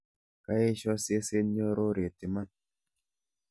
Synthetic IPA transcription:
ka˦e˦ʃɔ˦se˦se˦ɲɔ˦ɾo˦ɾe˨ti˨ma˦˨n

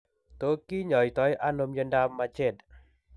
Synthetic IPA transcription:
t̪o˨˦ki˦ɲɔ˨jt̪ɔ˨˦jʔa˧no˧mjə˧nda˧mːa˧t͡ʃe˧˨t̪̚

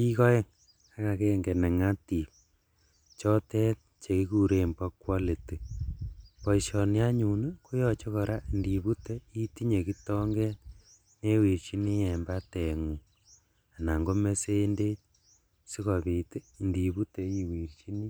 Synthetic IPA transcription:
i˦kɔ˦ɛ˦ŋ | a˦ka˨ke˦ŋɡe˨nɛ˨ŋa˦ti˨p̚ | t͡ʃɔ˦tɛ˦ | t͡ʃe˨ki˦ku˦ɾe˨mba˦kwa˦le˨te˨ | pɔ˨i˨sɔ˨nja˦ɲu˨ne˦ko˦jɔt͡ʃe˦kɔ˨ɾa˦ndi˨βu˦te˦i˦ti˦ɲe˨ki˦tɔ˦ŋɡe˦ | ne˦wi˨ɾt͡ʃi˦ni˦jɛ˨mba˦te˨ŋu˨ | a˨na˨ŋɡo˦me˦seː˦nde˦t̚ | si˦kɔ˨βi˨te˦˨ndi˨βu˦te˨i˨wi˨ɾt͡ʃi˦ni˦

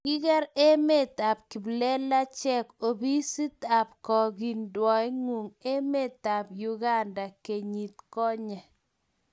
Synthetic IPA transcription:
ki˦kɛ˦ɾe˦me˦˨ta˨p̚kɪ˨blɛ˦la˦t͡ʃɛ˦ko˨bi˦si˦t̪a˨p̚kɔ˨ɡi˨ndwɔ˨jŋu˨ŋe˦me˦˨t̪a˨pju˦ɡa˦nda˨ke˨ɲi˨t̪kɔ˦ɲɛ˨

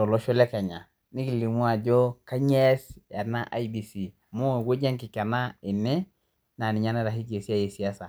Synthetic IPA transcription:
ɔ˨lo˦ʃo˦le˦ka˨ɲa˨ | ni˦ki˨li˨mu˦a˨ɟo˦ka˦ɲe˦sja˨na˦ʔa̰˨jbi˨si˨ | mo˦˨ɡo˦ɟe˦ŋki˨ka˨na˦ɪ˨nɛ˦ | na˨ni˨ɲa˦na˦ɾa˨hi˦k̬e˨si˦a˦˨je˨si˨a˦sa˨

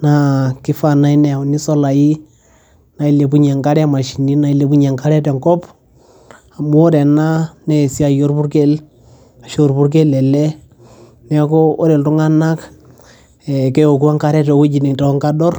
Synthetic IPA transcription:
na˦kɪ˦fa˨na˦i˦nɛ˨a˨u˨ni˦sɔ˦la˨ji˦ | na˨i˦le˨p̬u˦ɲa˨ŋka˦ɾɛ˦ma˨ʃi˨ni˦na˨i˦le˨pu˦ɲa˨ŋka˦ɾɛ˦tɛ˨ŋkɔ˦p | a˨mu˦ɔ˦ɾɛ˨na˦nɛ˦˨si˦a˨jo˦ɾpu˦ɾke˦l | a˨ʃo˨ɾpu˦ɾk̬e˦lɛ˨lɛ˦ | nɛ˦kɔ˦ɔ˦ɾɛ˨ltu˦ŋa˦na˦k | ɛ˨kɛ˦o˨k̬u˦a˦ŋka˦ɾɛ˦tɔ˨˦wu˦d͡ʒi˨ni˨tɔ˨˦ŋka˦dɔ˦r

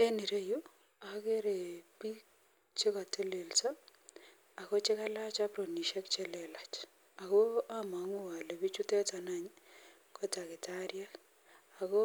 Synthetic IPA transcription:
e˦ni˨ɾe˦jo˦ | a˨ke˦ɾe˨pi˦ | t͡ʃɪ˦ka˨te˦le˨lsa˦ | a˨ko˦t͡ʃɪ˦ka˦la˦t͡ʃa˦pɾo˨ni˨ʃɛ˦k̚t͡ʃe˦lɛ˨la˨t͡ʃ | a˨ko˦a˦ma˨˦ŋʊ˦˨wa˨le˨bi˦t͡ʃu˦tɛ˦ta˨na˦ɲ | kʰɔ˦ta˨kɪ˨ta˦ɾja˦k | a˨ko˦

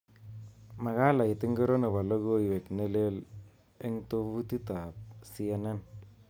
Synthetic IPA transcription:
ma˨ɣa˦la˨ɪ˨tɪ˦ŋɡe˦ɾo˦ne˨βa˨lo˦ɣo˦˨we˨kne˦le˦l | e˦ŋto˦βu˦ti˦ta˨p̚si˦e˦ne˦n

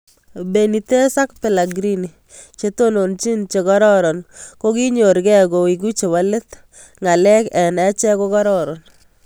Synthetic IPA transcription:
be˨ni˨te˦sa˦kpɛ˨la˨ɡɾi˦ni˨ | t͡ʃe˦to˦no˨nt͡ʃi˦nt͡ʃe˨kɔ˦ɾɔ˦ɾɔ˨nko˦ki˦ɲo˨ɾɡɛ˦ɡo˨i˨ɡ̬u˦t͡ʃe˨ba˦le˦t̪ | ŋa˨lɛ˦kɛ˨nɛ˦t͡ʃɛ˦ko˦kɔ˦ɾɔ˦ɾɔ˨n

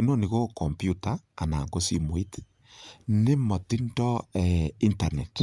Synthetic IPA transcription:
eno˦˨ni˨ɣo˦kɔ˨mpju˦taː˦˨na˨ŋɡo˦si˦mwi˦t | ne˦mɔ˨ti˦ndɔ˦ɛ˨i˦nta˨ne˨t

